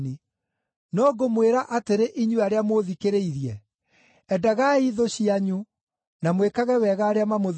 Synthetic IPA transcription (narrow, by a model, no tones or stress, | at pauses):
ni | nɔɡomweɾaʔateɾeʔiɲuaɾeamoðikeɾeiɾiɛ | ɛdaɣaiðoɕiaɲu | namwekaɣɛwɛɣaːɾeamamoð